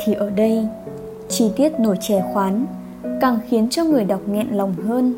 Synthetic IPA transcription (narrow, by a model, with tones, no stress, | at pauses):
t̪ʰi˨˩ʔəː˧˩ɗə˧j | t͡ɕi˧˩t̪i˦˥ət̚no˧˩jt͡ɕɛ˧˩xwaː˨˦n | kaː˨˩ŋxi˨˦ənt͡ɕɔ˧ŋɨ˨˩əjɗa˨˩wk͡p̚ŋɛ̰˧˨nla˨˩wŋ͡mɦəː˧n